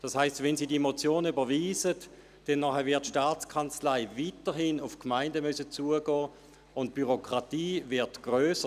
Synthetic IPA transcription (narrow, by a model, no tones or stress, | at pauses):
d̥ɑshaɪstvɛnziːdimot͡sjoːnəybɐviːzət | d̥ɛnːɔχɛvɪɐtʃtaːt͡skʰant͡slaɪvitəɦinʊfkmaɪndəmysət͡suːəɡɔː | ʊnt̚b̥yʁokʁ̥atiːvɪɐtɡ̥ʁøːsə